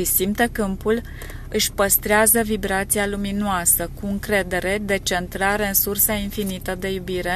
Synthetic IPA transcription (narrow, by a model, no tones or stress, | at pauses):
ɨsimt̪ekɨmpul | ɨʃʲpəst̪ɾeazəvibɾat̪sialuminoasəkuɨŋkɾe̞d̪e̞ɾe̞d̪e̞t͡ʃe̞nt̪ɾaɾeɨnsursainfinit̪əd̪e̞jubiɾe̞